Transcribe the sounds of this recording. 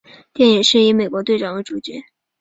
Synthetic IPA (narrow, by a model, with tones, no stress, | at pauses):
t̪jɛ˥˩ni˨˩ŋʂɻ̩˥˩i˧˥me˨˩ɪkwɔ˧˥t̪we˥˧ɪʈ͡ʂɑ˥˩ŋwə˧˥ʈ͡ʂu˨˩t͡ɕɛ˧˥